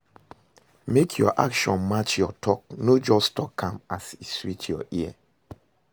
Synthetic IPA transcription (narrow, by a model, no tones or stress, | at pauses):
mekʰjɔʔakʃɔ̃nmat͡ʃjɔtʰɔk̚nod͡ʒɔstɔkʰːãmasiswit͡ʃjɔʔiɛ̰